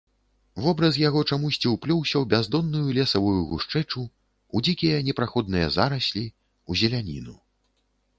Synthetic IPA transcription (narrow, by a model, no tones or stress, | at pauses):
vɔbɾɐs̬jaɣɔt͡ʂamusʲt͡sʲiwplʲɔwsʲɐwbʲazd̪ɔnːujulʲɛsɐvujuɣuʂt͡ʂɛt͡ʂu | ud͡zʲikʲijɐnʲɛpɾaxɔd̪nɨjɐ̰zaɾɐsʲlʲi | uzʲɛlʲanʲḭnu